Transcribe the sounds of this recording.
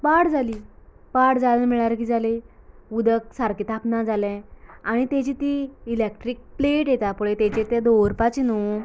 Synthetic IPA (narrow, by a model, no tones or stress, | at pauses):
paɽd͡zaliː | paɽd͡zaləmiɭaɾk̬id͡zale | ud̪ʱək̚saɾkit̪ʰaknad͡zalɛ̃aɽ̃it̪ɛt͡ɕit̪iilek̚ʈɾik̚pleʈjɛt̪apuɭet̪ɛ̃t͡ɕet̪ed̪oɾpat͡ɕinu